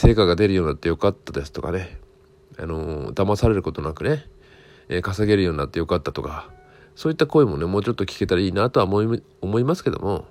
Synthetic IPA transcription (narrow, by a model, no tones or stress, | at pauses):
se̞ːkaɡad̪e̞ɾɯ̟jo̞ːnat̪ːejo̞kat̪ːad̪e̞sɨ̥t̪o̞ka̰ne̞ | a̰no̞d̪amasaɾe̞ɾɯ̟ko̞t̪o̞nakɯ̟ne̞ | ekasaɡe̞ɾɯjo̞ːɲinat̪ːe̞jo̞kat̪ːat̪o̞ka | so̞ːit̪ːako̞imo̞ne̞mo̞ːt͡ɕo̞t̪ːo̞kʲi̥ke̞t̪aɾaiːnat̪o̞amoi | omo̞imasɨ̥ke̞d̪o̞̰mo̞̰